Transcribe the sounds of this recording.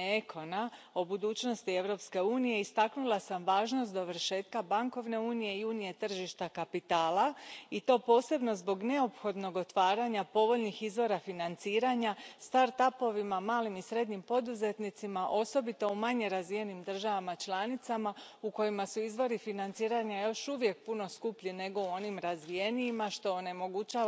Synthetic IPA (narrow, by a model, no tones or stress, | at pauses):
ekʰo̞na | o̞bud̪uːt͡ɕno̞st̪ie̞ʋɾo̞pske̞uːnije̞ist̪aknulˠasamʋaːʒnost̪d̪o̞ʋr̩ʃe̞ːt̪kabaŋko̞ʋne̞uːnije̞iuːnije̞t̪r̩ʒiʃt̪akapit̪aːlait̪o̞ːpo̞ːse̞bno̞zbo̞ɡne̞o̞pxo̞d̪no̞ɡo̞t̪ʋaːɾaɲapo̞ʋo̞ʎnixizʋo̞ɾafinant̪siːɾaɲast̪aɾt̪apo̞ʋimamaːlimisɾe̞d̪ɲimpo̞d̪uze̞t̪nit̪simaʔo̞so̞bit̪o̞umaɲe̞ɾazʋije̞nimd̪r̩ʒaʋamat͡ʃlˠaːnit̪sama | uko̞jimasuizʋo̞ɾifinant̪siːɾaɲajo̞ʃuʋje̞k̚puno̞skupʎine̞ɡo̞uo̞nimɾazʋije̞niːmaʃt̪o̞ːne̞mo̞ɡut͡ɕaː